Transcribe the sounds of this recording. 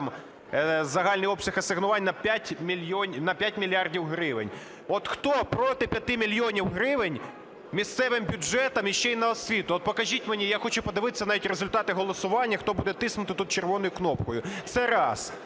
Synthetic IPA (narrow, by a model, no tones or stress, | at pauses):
m | zɐɦɑlʲnɪjɔpsʲɐxɐsɪɦnʊʋɑnʲnɐpʲatʲmʲilʲjɔnʲnɐpʲjatʲmʲilʲjɑrdʲiwɦɾɪʋɪ̰nʲ | ɔt̪xt̪ɔpɾɔt̪ɪpʲjɐt̪ɪmʲilʲjɔnʲiwɦɾɪʋɪnʲ | mʲist̪sɛʋɪmbʲʊd͡ʒɛt̪ɐmiʃt͡ʃɛjnɐɔsʲʋʲit̪ʊɔt̪̚pɔkɐʒʲitʲmenʲijaxɔt͡ʃʊpɔd̪ɪʋɪt̪esʲːɐnɑʋʲitʲrezʊlʲt̪ɑt̪ɪɦɔlˠɔsʊʋɑnʲːɐxt̪ɔbud̪ɛt̪ɪsnʊt̪ɪt̪ut̪̚t͡ʃerʋɔnɔjʊknɔpkɔjʊt̪sɛɾɑs